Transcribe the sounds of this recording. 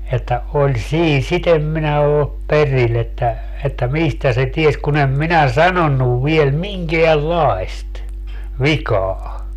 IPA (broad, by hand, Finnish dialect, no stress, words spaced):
etːæ olʲ siː sit em minæ oːp peril etːæ etːæ mistæ se ties kun em minæ sɑnonːuʋ ʋiel miŋkeælːɑest ʋikɑː